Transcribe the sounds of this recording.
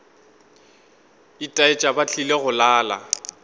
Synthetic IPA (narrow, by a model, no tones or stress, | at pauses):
itʼaɪt͡ʃʼabat͡ɬʰileɣʊlaːla̰